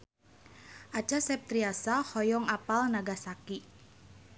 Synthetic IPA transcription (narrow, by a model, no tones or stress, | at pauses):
ʔat͡ʃasɛp̚t̪ɾiasahɔjɔŋapalnaɡasaki